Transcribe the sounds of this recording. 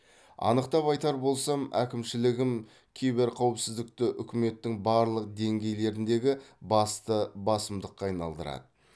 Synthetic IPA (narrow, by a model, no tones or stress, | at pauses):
ɑ̰nəqt̪ɑpɑjt̪ɑɾbo̞lˠsɑmæ̰kʲɪmʃɪlɪɡʲɪm | kʲʰe̞jbɪɾqʰɑwɪpsɪzd̪ɪk̚t̪ɪʔʏkʲɪme̞t̪ːɪŋbɑɾlˠəq̚d̪e̞ŋɡʲe̞jle̞ɾɪnd̪e̞ɡʲɪbɑst̪əbɑsəmd̪əqːɑɑjnɑ̰lˠd̪əɾɑ̰d̪ə